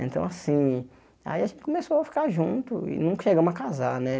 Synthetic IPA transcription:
ḛ̃nt̪ɐ̃w̃asĩ | a̰iaʒẽnt̪ɪkõmesoafi̥kaʒũnt̪ʊɪ̰nũkɐʃeɡɐ̃makazanɛ

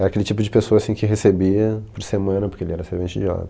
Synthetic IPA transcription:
ɛɾɐakelɪt͡ʃipʊd͡ʒɪpesoɐasĩkɪɦesebiɐpoɾsemɐ̃nɐpoɾkeelɪɛɾɐseɾvẽt͡ʃɪd͡ʒɪa̰d̪

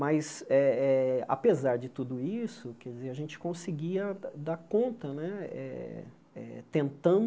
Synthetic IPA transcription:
mɐjsɛɛa̰pezaɾd͡ʒɪt̪ud̪ʊisʊkɛɾd͡ʒɪzeɾɐʒẽnt͡ʃɪ̥kõsɪɡiɐd̪aɾkõnt̪ɐnɛɛ̰ | ɛ̰t̪ẽnt̪ɐ̃

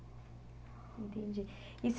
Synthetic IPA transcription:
t̪ind͡ʒɛ | is

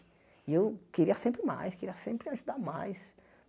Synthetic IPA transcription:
ewkeɾiɐsẽmpɾɪma̰jskeɾiɐsẽmpɾɪaʒud̪aɾmajs

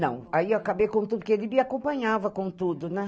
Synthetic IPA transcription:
nɐ̰̃w̃aieakabejkõt̪ud̪ʊpɾkelimiakõpɐ̃ɲavɐkõt̪ud̪ʊnɐ

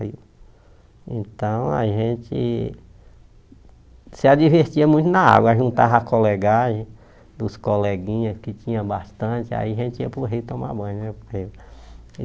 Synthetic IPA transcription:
i | ẽt̪ɐ̃w̃a̰ʒẽt͡ʃɪ | sɪad͡ʒiveɾt͡ʃiɐmũj̃t̪ʊnaa̰ɡwɐaʒũnt̪aɦakolɛɡaʒẽ | d̪ʊskolɛɡĩɲɐskɪt͡ʃĩɲɐ̃bast̪ɐ̃t͡ʃɪa̰iaʒẽt͡ʃɪiɐpɾʊɦit̪õma̰bɐ̃jnɛhi

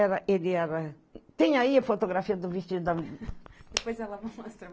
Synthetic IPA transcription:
ɛɾɐʔed̪iɛɾɐ | t̪ẽɲaiɐfot̪oɣɾafiɐd̪uviʃt̪id̪ɐ | d̪ɨpojzɛlˠɐmɐmɔst̪ɾɐ

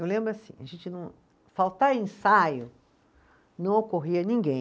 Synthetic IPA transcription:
ewlẽmbɾʊasḭ̃a̰ʒẽnt͡ʃɪnɐ̃w̃ | fawt̪aɾẽsajʊ | nɐ̃w̃okoɦiɐnĩɡẽj̃

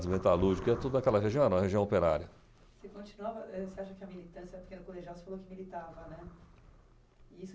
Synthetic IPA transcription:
d͡ʒ̪zmẽt̪aluɾʒikɛɐt̪od̪ʊnɐkɛlɐɦeʒiɐ̃ɛɾɐ̃mɐɦeʒiɐ̃w̃opeɾa̰ɾiɐ | sekõt͡ʃinuavɐʔɛseaʃɐkɪɐmilit̪ɐ̃sjɛɾpe̥kẽnʊkoleʒiawse̥falokɪɐmilit̪avɐnɛ | ɪis

